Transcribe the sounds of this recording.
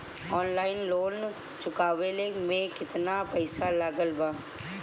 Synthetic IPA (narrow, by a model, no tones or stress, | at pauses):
ɔːnlaːɪnloːn | t͡ʃʊkaːʋelemẽkɪt̪napɛɪsalaːɡəlbaː